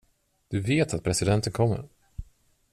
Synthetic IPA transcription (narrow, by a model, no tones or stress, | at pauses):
d̪̥ɵveːt̪at̪̚pʰɾɛsɪd̪ɛnt̪ənkʰɔmːə̰ɾ